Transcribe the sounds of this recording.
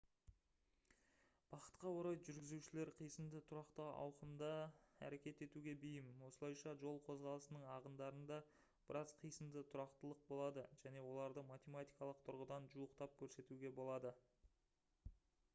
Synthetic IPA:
b̥ɑqə̥t̪qɑwoɾɑjʒʏɾɡʲɪzuʃɪle̞ɾqʰijsəmd̪ət̪ʰʊɾɑqt̪əɑ̰wqəmd̪ɑæ̰ɾe̞kʲe̞t̪e̞t̪uɡʲe̞bijɪmwo̞səlˠɑjʃɑʒo̞lˠqʰo̞zʁɑlˠəsənəɴɑʁənd̪ɑɾənd̪ɑ | b̥əɾɑzqʰijsəmd̪ət̪ʰʊɾɑqt̪əlˠəq̚bo̞lˠɑd̪əʒ̥æne̞wo̞lˠɑɾd̪əmat̪ʲe̞mat̪ijkɑlˠəq̚t̪ʰʊɾʁəd̪ɑnʒuəqt̪ɑp̚kʲʰɵɾse̞t̪uɡʲe̞bo̞lˠɑd̪ə

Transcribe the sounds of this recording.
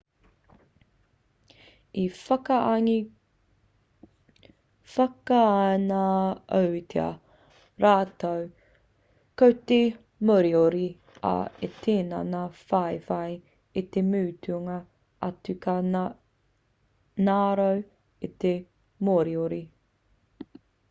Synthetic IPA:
ifɐkɐʔŋi | fɐkaanaɐwtʰeɐ̰ | ɾaːtow | kowt̪e | moɾioɾi | a̰et̪ʰeːna̰nafajfaj | it̪emʉːt̪ʰuŋɐ | ɐtʉka | naːɾow | it̪e | moɾioɾi

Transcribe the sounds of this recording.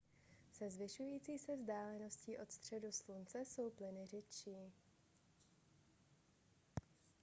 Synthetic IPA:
sɛzvɪʃujiːt͡siːsɛvzdaːlɛno̞sciːʔo̞t̪st̪r̝̥ɛduslunt͡sɛso̞wplɪnɪr̝ɪt͡ʃiː

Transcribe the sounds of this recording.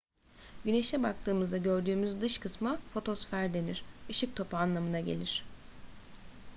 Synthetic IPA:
ɟyneʃɛbak̚t̪ʰɯːmɯzd̪aɟø̞ɾd̪yːmyzd̪ɯʃkʰɯsmafo̞t̪ʰo̞sfæɾd̪e̞niɾ̥ɯʃɯk̚t̪ʰo̞panlˠamɯnaɟe̞̰lʲiɾ̥

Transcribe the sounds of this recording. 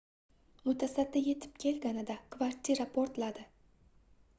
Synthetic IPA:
mʊt̪ʰasad̪ːɪje̞t̪ʰɪ̥p̚kʲʰe̞lɡʲanɪd̪akʰvaɾt̪ʰʲiɾapʰoɾt̪lad̪ɪ

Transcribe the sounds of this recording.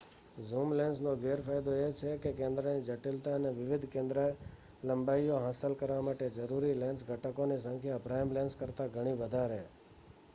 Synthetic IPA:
zumlɛnsnõɡeɾfajd̪oet͡ʃʰekekẽnd̪ɾənid͡ʒəʈɪlt̪aəneʋɪʋɪd̪ʱkẽnd̪ɾa | ləmbaioɦasəlkəɾʋamaʈed͡ʒəɾuɾilɛ̃nsɡʱəʈəkonis̬ə̃ŋkʰjapɾajmlɛ̃nskəɾt̪aɡʱəɽ̃iʋəd̪ʱaɾe

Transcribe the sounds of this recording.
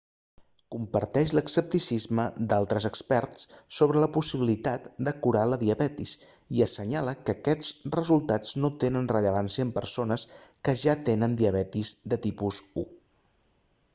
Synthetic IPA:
kumpəɾt̪ɛʃləksəp̚t̪isizməd̪alˠt̪ɾəzəkspɛrssoβ̞ɾələpusiβilit̪at̪d̪əkuɾaləðiəβɛt̪is | iəsəɲaləkəːkɛt͡srəzulˠt̪ad͡znot̪enənrəʎəβansiəːmpəɾsonəskəʒat̪enənd̪iəβɛt̪izd̪ət̪ipuzu

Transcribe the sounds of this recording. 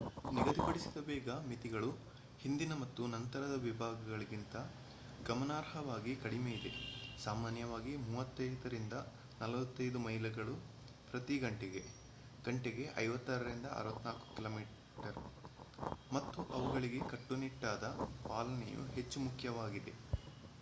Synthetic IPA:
niɡɐd̪ipɐɽisi̥d̪ɐbɛːɡɐmit̪iɡɐɭu | hind̪inɐmɐt̪ːunɐnt̪ɐɾɐd̪ɐʋibʱaːɡɐɡɐɭiɡint̪ɐ | ɡɐmɐnaːɾɦɐʋaːɡikɐɽimeːjid̪e̞̰saːmaːnjɐʋaːɡimuːʋɐt̪ːɐjd̪ɐɾind̪ɐ | nɐlɐʋɐt̪ːɐjd̪umɐɦilɐɡɐɭu | pɾɐt̪iɡɐɳʈeɡe̞ | ɡ̥ɐɳʈeɡe̞ʔɐ̰jʋɐt̪ːɐɾɐɾind̪ɐɐ̰ːɾʋɐt̪ːnaːku̥kiloːmiː | ʈɐɾ | mɐt̪ːuʔɐʋuɡɐɭiɡe̞kɐʈːuniʈːaːd̪ɐpaːlɐnḛjṵɦe̞t͡ʃːumukʰjɐʋaːɡid̪e̞̰

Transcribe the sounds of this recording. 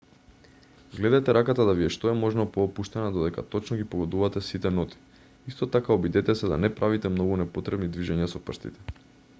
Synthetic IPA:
ɡlɛd̪at̪ɛɾakat̪ad̪aviɛʃt̪oɛmɔʒnɔpɔːpuʃt̪ɛnad̪od̪ɛka̰t̪ɔt͡ʃnɔɡipoɡɔd̪uvat̪ɛsit̪ɛnɔt̪i̥ | ist̪ɔt̪akaɔbid̪ɛt̪ɛsɛd̪a̰nɛpɾʔavit̪ɛmnɔɡunɛpot̪ɾɛbnid̪viʒɛɲasɔpr̩ʃt̪ḭt̪ɛ̥

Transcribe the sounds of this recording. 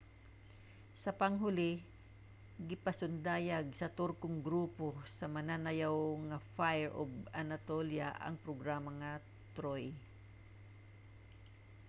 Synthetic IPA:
sɐpɐŋɦʊlɪ | ɡɪpɐsʊnd̪aːjaɡ̚sɐt̪ʊɾkʊŋɡɾuːposɐmɐnanɐjawŋɐfajɛɹʔoɡanat̪olja̰ʔɐ̰ŋpɾoɡɾaːmɐŋɐ | t̪ɾoj

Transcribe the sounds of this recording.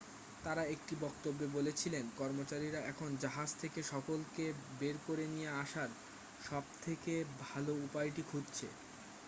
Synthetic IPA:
t̪aɾaek̚ʈibɔkt̪obːebolet͡ɕʰilenkɔɾmot͡ɕaɾiɾaɛkʰond͡ʑaɦad͡ʑt̪ʰekeʃɔkolkebeɾkoɾenijeaʃaɾ | ʃɔb̚t̪ʰekebʱaloupajʈikʰudt͡ɕʰḛ

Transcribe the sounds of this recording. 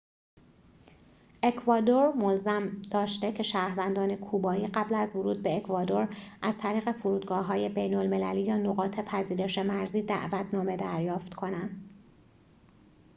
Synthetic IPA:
ʔe̞kʰvɒːd̪o̞ɾmolzæmd̪̥ɒːʃt̪e̞cʰe̞ʃæːɾvænd̪ɒːne̞kʰuːbɒːiːɢæblæzvoɾuːd̪̚be̞ːkʰvɒːd̪o̞ɾʔæz̥t̪ʰæɾiːɣe̞fuɾuːd̪ɡɒːɦɒːje̞be̞jnolme̞læliːjɒːno̞ɣɒːt̪ʰe̞pʰæziːɾe̞ʃe̞mæɾziːd̪æ̰ʔvæt̪ʰnɒːme̞d̪æɾjɒːft̪kʰo̞nænd̪̥

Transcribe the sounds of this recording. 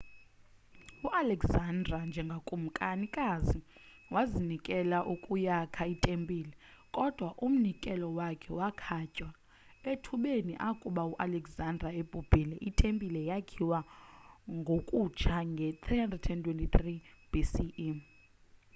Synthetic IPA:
uʔalɛkzandrand͡ʒʱɛŋɡʱakʼum̩kʼanikʼazi | wazinikʼɛlaʔukʼujakʰaitʼempʼiːlɛ | kʼɔd̥ʱwaʔum̩nikʼɛlɔwakʰɛwakʰacʼwa | etʰuɓeniʔakʼuɓauʔalɛkzandʱraeb̥ʱub̥ʱilɛʔitʼempʼilɛjakʰiwa | ŋɡʱokʼut͡ʃʰaŋɡʱɛt̪ʰrihandrɛdtʰɛntʰwɛntʼit̪ʰri | b̥isiʔ

